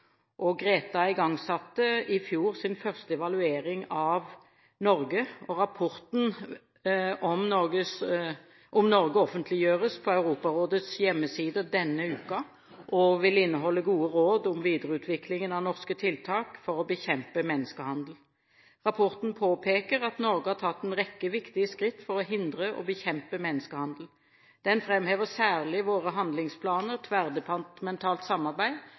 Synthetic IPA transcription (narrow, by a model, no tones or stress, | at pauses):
ʔɔɡʁeːt̪ɑɪɡɑŋsɑt̪ːəɪfjuːʁsɪnfœʁst̪əɛʋɑlʉeːɾɪŋɑʋ | nɔʁɡəɔʁɑpʰɔʁt̪n̩ | ɔmnɔɡəs | ʔɔmnɔʁɡəɔfənt̪ʰlɪjøːʁəspʰɔɑʉɾuːpɑʁoːd̪ət̪sjɛmːəsiːd̪əd̪ɛnːəʉːkɑ | ʔɔʋɪlɪnːəɦɔlːəɡuːəʁoːd̪ʊmʋiːd̪əʁəʉːt̪ʰʋɪklɪŋənɑʋnɔʁskət̪ʰɪlt̪ʰɑːkfɔʁɔbəçɛmpəmɛnːəskəhɑnd̪l̩ | ʁɑpʰɔʁt̪n̩pʰoːpʰeːkəʁɑt̪nɔʁɡəhɑʁt̪ʰɑt̪ːɛnʁɛkːəʋɪkt̪ɪəskʁɪt̪ːfɔʁɔɦɪnd̪ʁəʔɔ̰bəçɛmpəmɛnːəskəhɑnd̪l̩ | d̪̥ɛnfʁɛmheːʋəʁsæːʁlɪʋoːʁəɦɑnd̪lɪŋspʰlɑːnəʁt̪ʰʋæʁd̪əpʰɑnt̪mɛnt̪ʰɑːlt̪sɑmːɑʁbæɪ